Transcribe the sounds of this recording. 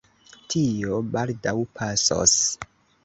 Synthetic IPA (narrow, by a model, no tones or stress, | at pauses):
tʰio̞baldawpʰaso̰s